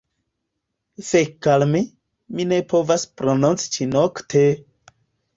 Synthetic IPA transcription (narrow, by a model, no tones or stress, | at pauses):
fekalmi | minepʰovaspɾonont͡si̥t͡ʃinoktʰe